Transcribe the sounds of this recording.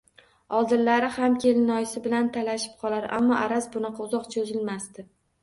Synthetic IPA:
ɒlˠd̪ɪɾlaɾɪhamkʲʰe̞lɪnɒjɪsɪbɪlant̪ʰalaʃɪ̥p̚qʰɒlˠaɾa̰mːɒʔaɾasbʊnɑqʰɑʊzɒqt͡ʃʰozɪlmast̪ɪ

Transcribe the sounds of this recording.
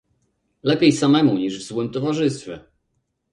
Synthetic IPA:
lɛpʲjejsamɛmuɲiʐvzwɘmt̪ɔvaʐɘst̪fʲjɛ̰

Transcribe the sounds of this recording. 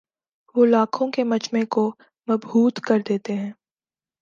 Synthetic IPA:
ʋolaːkʰõkemɐt͡ʃmẽko | mɐbbuːt̪kɐɾd̪eːt̪eɦɛ̃ː

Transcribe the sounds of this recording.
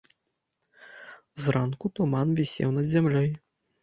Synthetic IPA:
zrankut̪umanvʲisʲɛ̰wnɐd̪zʲamlʲɔj

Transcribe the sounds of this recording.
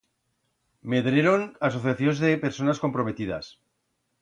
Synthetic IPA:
me̞ðɾeɾonaso̞θjaθjo̞nzðepe̞ɾso̞nasko̞mpɾo̞me̞t̪iða̰s

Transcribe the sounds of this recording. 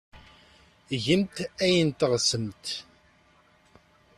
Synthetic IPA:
ʝəmt̪æjənt̪əʁsəmt̪

